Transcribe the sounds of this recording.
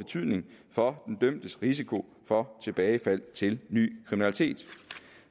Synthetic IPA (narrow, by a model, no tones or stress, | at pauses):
e̝t͡sʰyð̰ˠne̝ŋfɒ̽d̥end̥œm̰d̥əsʁisikʰo̝ | fɒ̽t͡sʰe̝b̥ɛːɪfæl̰t͡sʰe̝lny̰ːkʰʁiminælit͡sʰe̝̰ːd̥